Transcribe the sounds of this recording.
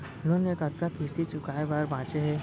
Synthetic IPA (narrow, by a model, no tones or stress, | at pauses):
lonekəkt̪akɪst̪it͡ʃʊkaːebaːɾbãːt͡ʃeɦɛː